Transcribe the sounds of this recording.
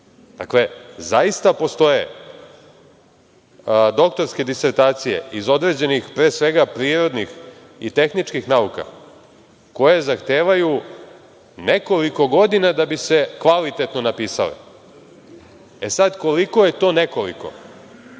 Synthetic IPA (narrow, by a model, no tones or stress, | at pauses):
d̪̥a̰klezaist̪apo̞st̪o̞je̞ | d̪o̞kt̪o̞ɾske̞d̪ise̞ɾt̪aːt̪sije̞̰izo̞d̪ɾe̞ːd͡ʑe̞nixpɾeːsʋe̞ɡapɾiːɾo̞d̪nix | ḭt̪e̞xnit͡ʂkixnauka̰ | ko̞je̞zaxt̪e̞ːʋaju | ne̞ko̞liko̞ɡo̞d̪inad̪abise̞kʋalit̪e̞t̪no̞napiːsa̰lḛ | esad̪ko̞liko̞je̞t̪o̞ːne̞kolḭko̞̰